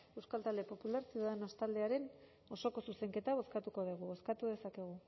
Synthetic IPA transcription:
e̞wskalt̪ald̪e̞po̞pulaɾsiðaðenost̪ald̪e̞aɾe̞n | o̞so̞ko̞suse̞ŋke̞t̪aβ̞o̞skat̪uko̞ð̞iɣ̞uβo̞skat̪uðe̞sake̞ɣ̞u

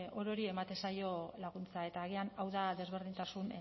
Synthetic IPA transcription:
o̞ɾo̞ɾie̞mat̪e̞sajo̞laɣ̞unt͡sae̞t̪aːɣ̞ianawðaðe̞zβ̞e̞ɾð̞int̪asun

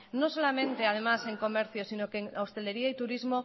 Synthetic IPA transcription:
no̞so̞lamẽ̞nt̪e̞að̞e̞mase̞ŋko̞me̞ɾθjosinokeŋost̪e̞le̞ɾiait̪uɾizmo̞

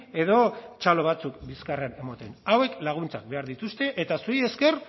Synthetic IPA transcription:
e̞ðo̞t͡ʃalo̞β̞at͡sukbiskarene̞mot̪enawe̞klaɣ̞unt͡sak̚be̞aɾðit̪ust̪e̞ʔet̪asuie̞ske̞r

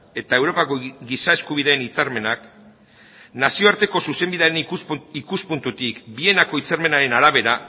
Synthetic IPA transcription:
e̞t̪ae̞wɾo̞pakoɡisaeskuβ̞iðe̞ːnit͡saɾme̞nak | nasio̞aɾt̪e̞ko̞suse̞mbiðeaɾenikuspunt̪ut̪ikbie̞nako̞it͡saɾme̞naɾe̞naɾaβe̞ɾa

